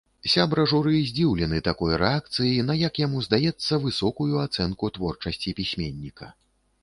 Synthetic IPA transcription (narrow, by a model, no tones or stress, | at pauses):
sʲabɾɐʐuɾɨzʲd͡zʲiwlʲɛnɨt̪akɔjɾɛak̚t̪sɨjin̪ɐjakjamuzd̪ajɛt̪sːɐvɨsɔkujuat̪sɛnkut̪vɔrt͡ʂɐsʲt͡sʲipʲisʲmʲenʲːikɐ̰